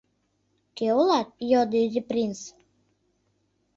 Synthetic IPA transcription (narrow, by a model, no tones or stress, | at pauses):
keolɑt̪̚jod̪ɨdʲiprʲins